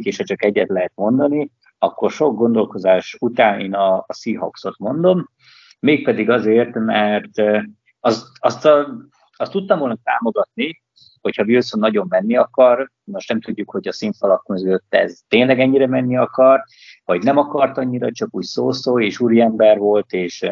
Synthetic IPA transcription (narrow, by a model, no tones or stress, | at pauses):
keːʃhɒt͡ʃɒkɛɟːɛt̪lɛɦɛt̪̚mo̞nd̪ɒni | ɒkːo̞rʃo̞ɡ̚ɡo̞nd̪o̞lko̞zaːʃut̪aːnḛːnɒːsiːɦɒ̰kso̞t̪mo̞nd̪o̞mː | eːk̚pɛd̪iɡɒzeːrt̪mɛrt̪ | ɒsɒst̪ɒ | ɒst̪ːut̪ːɒmvolnɒt̪a̰ːmo̞ɡɒt̪̚ni | ho̞chɒvilsonːɒɟo̞mːɛnːiɒkɒr | no̞ʃnɛmt̪uɟːukho̞ɟɒsiɱfɒlɒkmøzøløt̪ːɛ̰zt̪eːɲlɛɡɛɲːiɾɛmɛnːiɒkɒr | vɒɟnɛmɒkɒrt̪ɒɲːiɾɒt͡ʃɒkuːcsoːsoːleːʃuːɾiɛmbɛrvo̞lt̪eːʃ